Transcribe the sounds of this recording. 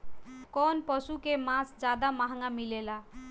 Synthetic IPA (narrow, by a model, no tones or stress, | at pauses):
kɔnpəsukemãsd͡ʒad̪amaɦŋɡamilela